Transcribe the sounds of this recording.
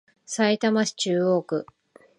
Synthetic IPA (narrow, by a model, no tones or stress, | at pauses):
sait̪amaɕi̥t͡ɕɨːo̞ːkɯ̟